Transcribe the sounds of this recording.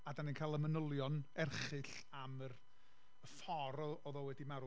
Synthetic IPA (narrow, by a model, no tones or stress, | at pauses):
adaninkʰaːlˠəmənəlˠjɔnɛrχɨɬ | amər | əfɔɾɔɔðɔwɛdimaɾʊ